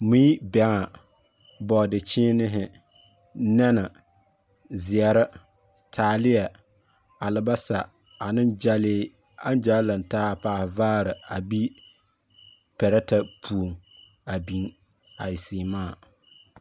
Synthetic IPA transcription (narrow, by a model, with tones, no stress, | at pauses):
mi˦bɛ˨ŋa˨ | bɔ˨dɪ˨t͡ʃɪː˦nɪ˦ɦɪ˨˦ | nɛ˦na˨ | zɪ˨ɛ˨ɾɪ˦ | tʰaː˨˦lɪ˦jɛ˨ | a˨lɨ˨ba˦sa˨a˨nɨ˦nd͡ʒa˦lɪː˦a˦n˦d͡ʒaː˦la˨ntaː˦paː˦hvaː˦ɾɪ˨a˨bi˦ | pɛ˨ɾɛ˦ta˦pʰu˨ŋa˨bi˨n | a˨jɪ˨siː˨maː˦˨